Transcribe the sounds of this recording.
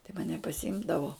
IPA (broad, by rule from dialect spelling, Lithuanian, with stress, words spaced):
tɐɪ mɐˈnʲɛ pɐsʲɪˈɪmdɐʋoː